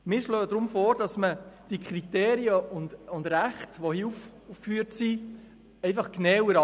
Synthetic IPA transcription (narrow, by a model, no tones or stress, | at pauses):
mɪːɾʃløːd̥ɾʊmfɔːɾd̥ɑsməd̥ikʰχɾiteːɾiəʊndʊndɾæχtʋohiuf | ufkfyːəɾtsi | ɛɪfɑχknɛwəɾɑ